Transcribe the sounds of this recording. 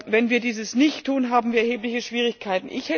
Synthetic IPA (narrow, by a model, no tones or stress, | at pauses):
vɛnviːɐdiːzəsnɪçtʰːuːnɦaːbm̩viːɐɛɐɦeːplɪçəʃv̥iːʁɪçkʰaɪtn̩ʔɪ̰çhɛ